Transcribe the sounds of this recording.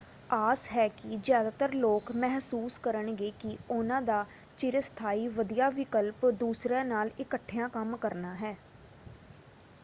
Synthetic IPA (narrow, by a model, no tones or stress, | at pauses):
aːsɦɛːkɪzjaːd̪aːt̪əɾloːkmɛɦsuːskəɾəɳɡeːkɪʊnãːd̪aː | t͡ʃɪɾəst̪ʰaːiːʋəd̪ijaːʋɪkəlpd̪uːsɾãːnaːlɪkəʈʰːɪjãːkəmkəɾnaːɦɛː